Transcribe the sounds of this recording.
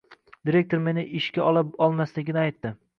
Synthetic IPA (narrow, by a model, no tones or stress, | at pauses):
d̪iɾe̞k̚ʲt̪ʰoɾme̞nɪʔɪʃkʲaʔɒlˠapɒlˠmaslɪɡʲɪnɪajt̪ːɪ